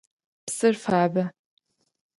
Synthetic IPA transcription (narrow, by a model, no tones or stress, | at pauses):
psɨrfaːba